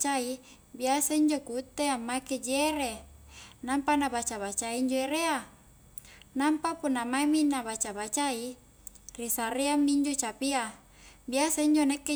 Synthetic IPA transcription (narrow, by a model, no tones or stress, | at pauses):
t͡ʃai | biasaiɲd͡ʒokut̪ːeamːaeked͡ʒeɾe | nampanabat͡ʃaβat͡ʃaiiɲd͡ʒoeɾea | nampapunːamaeminabat͡ʃabat͡ʃai | risaɾeamniɲd͡ʒot͡ʃapia | biasaiɲd͡ʒonekːe